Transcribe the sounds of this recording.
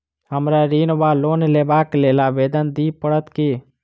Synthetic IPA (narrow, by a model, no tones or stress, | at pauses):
ɦəmɾaɾiːnʋaloːnleːbaːkleːlabeːd̪ənd̪iːpəɽət̪ki